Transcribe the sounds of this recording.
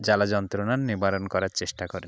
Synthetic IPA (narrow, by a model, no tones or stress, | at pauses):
d͡ʑalad͡ʑɔnt̪ɾonaɾniɾbaɾonkɔɾaɾt͡ɕeʃʈakɔɾe